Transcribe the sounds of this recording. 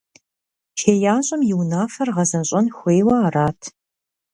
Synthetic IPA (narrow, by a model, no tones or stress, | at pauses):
ʃʰeːjaːɕʼɐmjɪwnaːfɐrʁɐzɐnɕʼɐnxʷejwaːraːtʰ